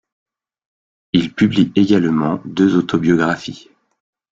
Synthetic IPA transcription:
ilpyblieɡʲalmɑ̃d̪øzot̪ʰɔbjɔɡʁafi

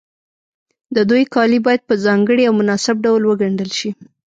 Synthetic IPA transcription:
d̪əd̪ujkɑlibɑjad̪̚pəzɑŋɡəɽiawmʊnɑsɪb̚ɖawlwəɡaɳɖəlʃi

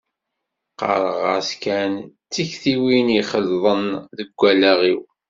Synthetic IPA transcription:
qɑ̰ɾˤəʁæ̰skænt͡sːiçθiwiniχəlðˤənðəɡʷːælæʁiw

